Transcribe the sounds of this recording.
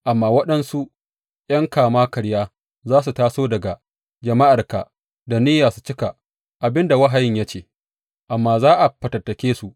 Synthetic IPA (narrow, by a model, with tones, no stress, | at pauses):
ʔa˨mːaː˨wɐ˦ɗɐ˦nsu˦ʔ | jɐ˦ŋkaː˨maː˦kɐ˨ɽjaː˦ | zaː˦s̬u˨taː˦soː˦dɐ˨ɡa˨ | d͡ʒɐ˨ma˦ʔa˨rka̰˨ | da˨niː˦jaː˨su˨t͡ʃɪ˦ka˨ | ʔa˨bɪ˦nda˨wɐ˦ɦa˨jɪ˦ɲja˦t͡ʃeː˦˨ | ʔa˨mːaː˦zaː˦ʔa˨ɸɐ˨tɐ˨tːɐ˨kʲeː˦su˨ʔ